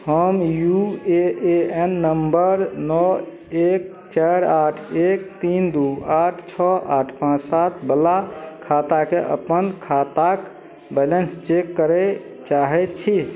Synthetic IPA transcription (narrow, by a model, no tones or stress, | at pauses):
həmjueʔeenːəmbəɾnɔ | ek̚ | t͡ʃaɾaʈʰek̚t̪ind̪uaʈʰt͡ʃʰɔʔa̰ʈʰpãt͡ʃsat̪ʰbəlakʰat̪akeʔə̰pənkʰat̪ak | bɛlenst͡ʃekːəɾɛ | t͡ʃaɦɛt̪t͡ʃʰi